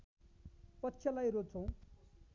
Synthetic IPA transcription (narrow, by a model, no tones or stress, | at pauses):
pʌtːɕʰjʌlajrot͡sʰʌ̃w̃